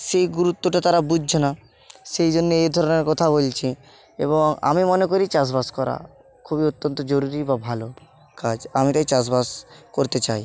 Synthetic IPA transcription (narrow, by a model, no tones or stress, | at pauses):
ʃejɡuɾut̪ːoʈat̪aɾabud͡ʑʱd͡ʑʰʱona | ʃejd͡ʑonːeed̪ʱɔɾoneɾkɔt̪ʰabolt͡ɕʰi | ḛβoŋa̰mimonekoɾit͡ɕas̬baskɔɾa̰ | kʰubiot̪ːont̪od͡ʑoɾuɾibabʱalo | kad͡ʑamit̪ajt͡ɕas̬baskoɾt̪et͡ɕaj